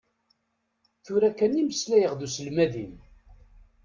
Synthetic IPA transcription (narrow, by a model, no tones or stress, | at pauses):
θʊɾækæniməslæjəʁðusəlmæðim